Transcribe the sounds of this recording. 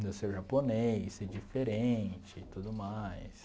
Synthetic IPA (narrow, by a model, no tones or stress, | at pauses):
d̪ɐseɾʒaponejsɛd͡ʒifeɾẽt͡ʃɪt̪ud̪ʊmajs